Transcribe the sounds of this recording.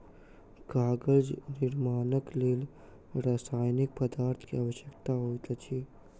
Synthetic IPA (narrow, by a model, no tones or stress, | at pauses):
ɡaːɡəld͡ʒnɪɾmaːnəkleːl | ɾaːsaːjnik̚pəd̪aːɾt̪ʰkiaːʋəʃjəkt̪aɦoːjt̪ət͡ʃʰi